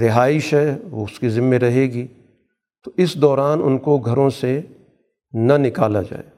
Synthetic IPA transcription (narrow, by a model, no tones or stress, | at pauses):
ɾɪɦaːɪʃɦɛːʋoʊskizɪmːẽɾɐɦeːɡiː | t̪oʔɪsd̪ɔːɾaːnʊnkoɡʱɐɾõse | nɐnɪkaːla̰d͡ʒa̰ːeː